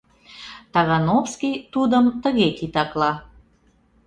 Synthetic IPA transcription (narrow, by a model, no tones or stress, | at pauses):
t̪ɑɣɑnofskijt̪ud̪əmt̪əɣet̪it̪ɑklɑ